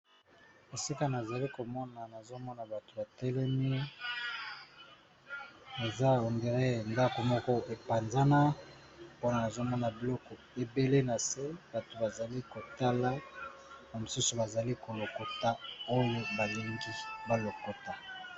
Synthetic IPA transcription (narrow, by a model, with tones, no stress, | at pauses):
e˨si˦ka˦na˨za˨li˦ko˨mɔ˦na˨na˨zo˦mɔ˦na˨ba˨to˨ba˨tɛ˦lɛ˦mi˦ | e˨za˦o˨nde˨ʁe˦˨nda˦ko˨mɔ˦kɔ˦e˨pa˨nza˦na˦ | po˦na˨na˨zo˦mɔ˦na˨bi˨lɔ˦kɔ˨ | e˨be˦le˦na˨se˦ba˨to˨ba˨za˨li˦ko˨ta˦la˦ | na˨mo˨su˦su˨ba˨za˨li˦ko˨lo˨ko˨ta˦o˦jo˦ba˨le˨ŋɡi˦ba˨lo˨ko˨ta˨